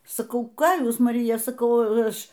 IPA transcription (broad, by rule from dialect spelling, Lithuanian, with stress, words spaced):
sɐˈkɐʊ ˈkɑː ˈjuːs mɐˈrʲɪjɛ sɐˈkɐʊ ˈɐʃ